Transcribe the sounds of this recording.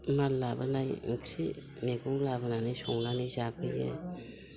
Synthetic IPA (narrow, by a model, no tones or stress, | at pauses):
malːabɯnajŋ̩kʰɾi | meɡuŋlabɯnanijsɔŋlanizab̚ɯɡḛ